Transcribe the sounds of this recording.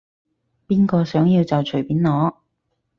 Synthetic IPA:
piː˥nkɔː˧sœː˨˥ŋjiː˧wt͡sɐ˨wt͡ʃʰɵ˨˩piː˨˥nlɔː˨˥

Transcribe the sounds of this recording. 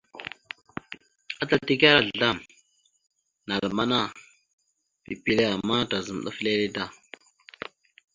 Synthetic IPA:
a˦ta˨ti˦k̬a˦ɾa˨ɮɮa˦˨m | na˨lma˦na˦˨ | pḭ˨pi˦le˦a˨mːa˦ta˨zə˨m˨ɗa̰˦fle˦le˦da˦˨

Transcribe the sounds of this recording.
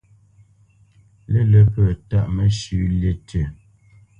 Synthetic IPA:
lə˦lə˦pə˨ta˦˨ʔmə˦ʃʉ˨˦lje˦˨tʰə˨

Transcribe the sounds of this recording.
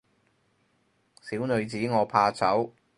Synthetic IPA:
siː˨˥wnɵ˨˧ɥt͡siː˨˥ŋɔː˨˧pʰaː˧t͡sɐ˨˥w

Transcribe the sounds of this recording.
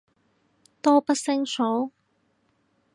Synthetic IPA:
t̪o˥pɐ˥t̚sɪ˥ŋso˨˥w

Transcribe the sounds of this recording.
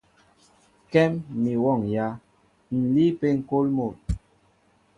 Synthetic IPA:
kɛ˦mːi˨wɔ˦˨ŋja˦ | n̩˨li˦pe˦ŋ̩˨ko˦lmo˨l

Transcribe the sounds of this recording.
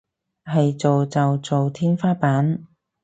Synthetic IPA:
hɐ˨jt͡so˨wt͡sɐ˨wt͡so˨wt̪ʰiː˥nfaː˥paː˨˥n

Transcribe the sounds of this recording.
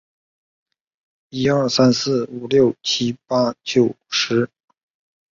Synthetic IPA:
i˥ə˞˥˩sa˥nsɹ̩˥˩u˨˩ljo˥˩ʊt͡ɕʰi˥pa˥t͡ɕjo˨˩ʊ | ʂɻ̩˧˥

